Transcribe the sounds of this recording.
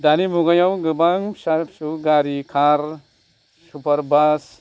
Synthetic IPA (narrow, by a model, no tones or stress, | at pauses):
d̪anibʱuɡajawɡɯbaŋsapsuɡaɾikʰaɾ | supɐɾbas